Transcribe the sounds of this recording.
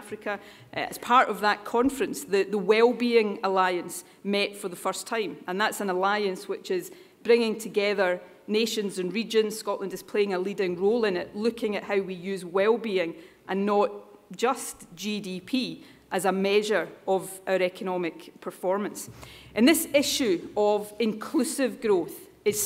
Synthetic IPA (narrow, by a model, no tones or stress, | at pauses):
fɹɪkʰə | ə̰z̥pʰaɹʔəvðəʔkʰɔ̃nfɹə̃nsðəðəwɛlˠbiɪ̃ŋəlˠaɪə̃ns | mɛʔfə˞ðəfɜ˞stʰãɪ̃mə̃nðatsə̃nəlˠaɪə̃nswɪt͡ʃɪz | b̥ɹɪ̃ŋɪ̃ŋtʰəɡɛðə˞ | neʃə̃nzə̃nɹid͡ʒə̃nz̥skɔʔlˠə̃ndɪz̥pʰl̥eɪ̃ŋəlˠidɪ̃ŋɹolˠɪ̃nɪʔlˠʉkʰɪ̃ŋəʔhaʊwijʉːzwɛlˠbiɪ̃ŋ | ʔə̃nːəʔd̥ʒ̥ʌsd̥ʒ̥idipʰi | ʔəzəmɛʒə˞əvaʊə˞ɛkʰənɔmɪkpʰə˞fɔɹmə̃nsʔə̃nðɪsɪʃʉəvɪ̃nkʰl̥ʉsɪvɡɹoθ | ɪz̥